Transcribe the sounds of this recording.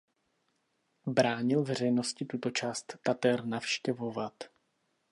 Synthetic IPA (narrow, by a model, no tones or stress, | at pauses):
bɾaːɲɪlvɛr̝ɛjno̞scɪt̪ut̪o̞t͡ʃaːst̪ːat̪ɛɾnafʃcɛvo̞vat̪